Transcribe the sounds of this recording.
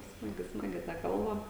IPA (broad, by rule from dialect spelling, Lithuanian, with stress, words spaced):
ˈsmɑːɡʲɪ ˈsmɑːɡʲɪ tɐ ˈkɐlˠbɐ